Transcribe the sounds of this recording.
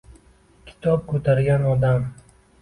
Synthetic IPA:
kʲʰɪ̥t̪ʰɒp̚kʰɵt̪ʰaɾɡʲanɒd̪am

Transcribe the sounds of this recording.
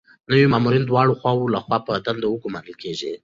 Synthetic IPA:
nəwimɑmuɾind̪wɑɽoxwɑwulaxwɑpəd̪and̪awəɡumaɾəlkeʒḭ

